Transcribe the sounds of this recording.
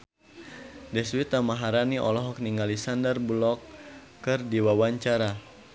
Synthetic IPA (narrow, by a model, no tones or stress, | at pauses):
dɛswit̪amaɦaɾaniʔɔ̰lɔɦɔk̚niŋɡalisandərblɔkː | ɨrdiwawaɲt͡ʃaɾa